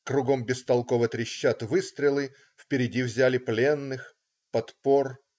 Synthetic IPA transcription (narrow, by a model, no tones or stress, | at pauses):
kɾʊɡo̞mbʲɪst̪ɐlˠko̞vɨt̪ɾʲɪɕːat̪vɨst̪ɾʲɪlˠɨ | fpʲɪɾʲɪdʲivzʲælʲɪplʲenːɨx | pɐt̪po̞r